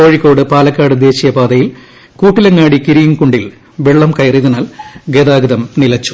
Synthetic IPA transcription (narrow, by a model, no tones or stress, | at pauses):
o̞ːɻikːo̞ːɽɨpaːlɐkːaːɽɨd̪e̞ːɕijɐpaːd̪ɐjil | kuːʈːilɐŋːaːɽikiɾijuŋkuɳɖil | ʋe̞ɭːɐmkɐjɐriðɐnaːlɡed̪aːɡɐðɐmnilɐt͡ɕːu̥